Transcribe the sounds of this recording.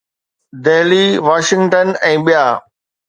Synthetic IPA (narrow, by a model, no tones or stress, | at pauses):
d̪eɦliʋaːʃɪ̃ŋɡʈənɛ̃ːɓijaː